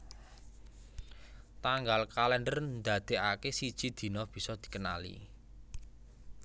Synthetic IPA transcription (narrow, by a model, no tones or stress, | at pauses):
t̪aŋɡalkalɛnɖərnd̪a̤d̪̥e̤akesid̥ʒ̥i̤d̪̥i̤nɔb̥i̤sɔd̪̥i̥̤kəna̰lḭ